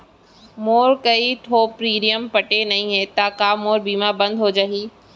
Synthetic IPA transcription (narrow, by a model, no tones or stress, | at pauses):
moːɾkɐiʈʰoːpɾiːɾijəmpɐʈenɐĩɦet̪akaːmoːɾbiːmabɐ̃nd̪ɦod͡ʑaɦiː